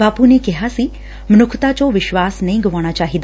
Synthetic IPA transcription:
apunekɛɦasi | mnʊkʰt̪at͡ʃoʋɪʃʋasnəĩɡəʋaɽ̃at͡ʃaɦid̪a

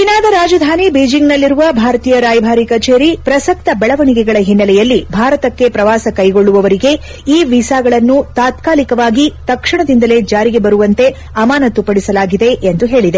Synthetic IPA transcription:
inaːd̪ɐɾaːd͡ʒɐd̪ʱaːnibeːd͡ʒiŋɡnɐlːiɾuʋɐbʱaːɾt̪iːjɐɾaːjbʱaːɾikɐt͡ʃeːɾipɾɐsɐk̚t̪ɐbɛɭɐʋɐɳikɛɡɐɭɐɦinːɐlɛjɐlːibʱaːɾɐt̪ɐkːe̞pɾɐʋaːsɐkɐjɡo̞ɭːuʋɐʋɐɾiɡe̞ | iːʋisaːɡɐɭɐnːut̪aːt̪kaːlikɐʋaːɡit̪ɐkʂiɳɐd̪ind̪ɐle̞d͡ʒaːɾiɡe̞bɐɾuʋɐnt̪e̞ | ɐmaːnɐt̪upɐɽisɐlaːɡid̪e̞ʔend̪uɦe̞ːɭid̪e

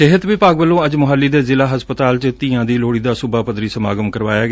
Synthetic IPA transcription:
ɪɦət̪ʋiːpaːɡbəlːõːəd͡ʒmʊɦəlːiːd̪eːzɪlaːɦəspət̪aːlt͡ʃət̪iːãːd̪iːloːɽiːd̪aːsʊbʱaːpəd̪ɾiːsəma̰ːɡəmkəɾʋaːjaːɡ

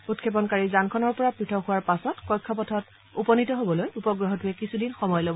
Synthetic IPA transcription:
utkʰep̬ɔnkaɹizankʰɔnɔɹpɔɹapɹitʰɔhuwaɹpasɔtkɔjkʰːɔpɔtʰɔt | upɔnitɔɦobɔlojupɔɡɹɔɦɔtuɛkisudinxɔmɔjlobɔ

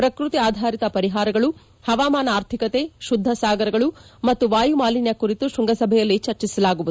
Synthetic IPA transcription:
pɾɐkɾut̪iaːd̪ʱaːɾit̪ɐpɐɾiɦaːɾɐɡɐɭu | hɐʋaːmaːnɐaːɾt̪ʰikɐt̪eʃud̪ʱːɐsaːɡɐɾɐɡɐɭumɐt̪ːuʋaːjumaːlinjɐkuɾit̪uʃuŋɡɐsɐbʱɛjɐlːit͡ʃɐɾt͡ʃisɐlaːɡuʋud̪u

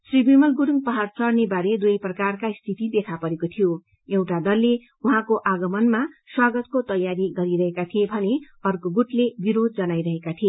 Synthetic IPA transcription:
sribimʌlɡuɾuŋpʌɦart͡sʌrnebaɾed̪ujprʌkarkaist̪ʰit̪id̪ekʰapʌɾekot̪ʰijo | ewʈad̪ʌlːe | uɦãkoʔaɡʌmʌnmaswaɡʌt̪kot̪ʌjaɾiɡʌɾiɾʌɦekat̪ʰijebʱʌne | ʌrkoɡuʈlebiɾod̪̚d͡zʌnajɾʌɦekat̪ʰije

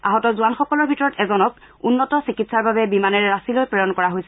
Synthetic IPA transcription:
a̰ɦɔtɔzuanxɔkɔlɔɹbʱitɔɹɔtɛzɔnɔk̚ | unːɔtɔsikitsaɹbabɛbimanɛɹɛɹasilojpɹɔjɔnkɔɹaɦojsɛ

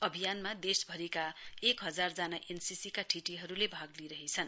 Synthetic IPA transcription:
ʌbʱijanmad̪esbʱʌɾikaekɦʌd͡zard͡zanaʔensisikaʈʰiʈiɦʌɾulebʱaɡliɾʌɦit͡sʰʌn

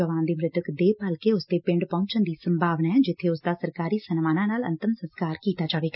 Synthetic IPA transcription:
əʋãːnd̪iːmɾɪt̪əkd̪eːpəlkeːʊsd̪eːpɪ̃ɳɖpɔ̃ːɲt͡ʃənd̪iːsəmbʱaːʋnaːɦɛːd͡ʒɪt̪ʰːeːʊsd̪aːsəɾkaːɾiːsənmaːnãːnaːlə̰̃nt̪əmsə̃nskaːɾkiːt̪aːd͡ʒaːʋeːɡaː

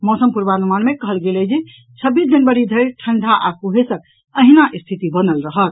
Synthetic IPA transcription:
mɔsəmpuɾbanumanmekəɦəlɡelɛd͡ʒe | t͡ʃʰəbːisd͡ʒənʋəɾid̪ʱəʈʰəɳɖʱaʔakuɦesək̚ | əɦinaʔist̪ʰit̪ibənəlɾəɦət̪

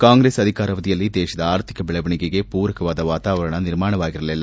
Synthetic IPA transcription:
kaːŋɡɾeːsɐðɪkaːɾɐʋɐðɪjɐlːid̪eːʃɐðɐaːɾt̪ɪ̥kɐbɪɭɐʋɐɳɪɣɐɣeːpuːɾɐkːɐʋaːðɐʋaːt̪aːʋɐɾɐɳɐnɪɾmaːɳɐʋaːɣɪɾɐlɛlːaːm

